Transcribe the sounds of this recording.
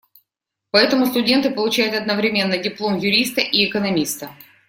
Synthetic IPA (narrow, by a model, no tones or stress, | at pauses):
pɐɛt̪əmʊst̪ʊdʲe̞nt̪ɨpəlˠʊt͡ɕæjʊt̪ɐd̪nəvɾʲɪmʲe̞nːədʲɪplˠo̞mjʊɾʲist̪əʔiɪkənɐmʲist̪ə